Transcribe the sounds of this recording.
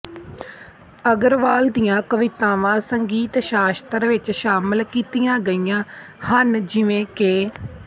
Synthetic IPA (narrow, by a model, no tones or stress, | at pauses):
əɡəɾʋaːld̪ijãːkəʋɪt̪aːʋãːsəŋɡiːt̪ʃaːst̪əɾʋɪt͡ʃʃaːmɪlkiːt̪ijãːɡəiːjãː | hənd͡ʒɪʋẽːkeː